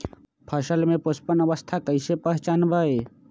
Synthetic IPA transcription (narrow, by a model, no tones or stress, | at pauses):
pʰəʃəlmẽpospənəʋəst̪ʰakəɪsepəɦt͡ʃaːnbʱaːe